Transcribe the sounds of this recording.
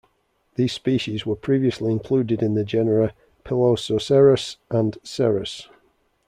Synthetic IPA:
ðiːz̥spiˑʃɪzwəpʰɹ̥iːviəsliɪ̃nkʰl̥ʉːdɪdɪ̃nðəd͡ʒɛnəɹə | pʰɪlososɛɹəsʔə̃nsɛɹəs

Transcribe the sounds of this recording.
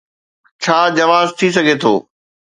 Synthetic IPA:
t͡ɕʰaːd͡ʑɐʋaːzt̪ʰis̬ɐɡʱet̪ʰoː

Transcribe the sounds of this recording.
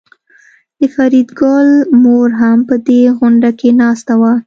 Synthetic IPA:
d̪̥əfaɾid̪ɡɑlmoɾɦampəd̪eɣʊɳɖakenɑst̪awa

